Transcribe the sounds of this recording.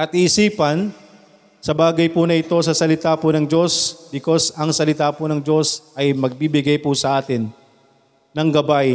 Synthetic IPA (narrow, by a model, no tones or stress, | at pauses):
ʔɐt̪̚iʔɪsiːpɐn | sɐbaːɡɐjpunɐʔɪt̪o̞sɐsɐlɪt̪aːpʊnɐŋd͡ʒo̞sb̥ɪko̞sɐŋsɐlɪt̪aːpʊnɐŋd͡ʒo̞sʔɐjmɐɡ̚bibɪɡajpʊsɐʔaːt̪ɪnː | ɐŋɡɐbaj